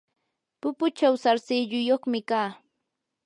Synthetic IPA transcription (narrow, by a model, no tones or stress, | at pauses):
pʊpʊt͡ʃawsaɾsɪʎʊjoχmɪkaː